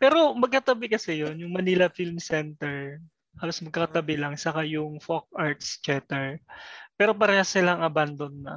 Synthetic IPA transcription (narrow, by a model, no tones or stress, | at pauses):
pɛːɾo̞mɐɡ̚kɐt̪ɐbɪkɐsɛjonjʊŋmɐnilɐfilmsɛnt̪ɛɹ | haːlosmɐɡ̚kːɐkɐt̪ɐbɪlɐŋsɐkajʊŋfok̚ʔaɹt̪st͡ʃɛt̪ɛɹpɛːɾo̞p̬ɐɾɛhɐsɪlaŋɐband̪onːɐ